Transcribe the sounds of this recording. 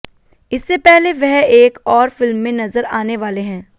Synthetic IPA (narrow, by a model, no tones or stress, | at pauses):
ɪsːepɛɦleʋɛɦeːkɔːɾfɪlmːẽnɐzəɾaːneʋaːleɦɛ̃ː